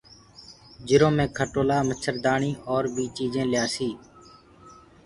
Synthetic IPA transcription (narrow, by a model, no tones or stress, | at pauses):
d͡ʒɪɾõːmẽːkʰəʈoːlaːmət͡ʃʰəɾd̪aːɳiːʔɔːɾbʱiːt͡ʃiːd͡ʒẽːlɪjaːsiː